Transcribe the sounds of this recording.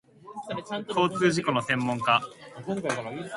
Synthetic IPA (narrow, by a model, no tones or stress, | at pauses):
kʰo̞ːt͡sɨːʑiko̞no̞sẽ̞mːõ̞ŋka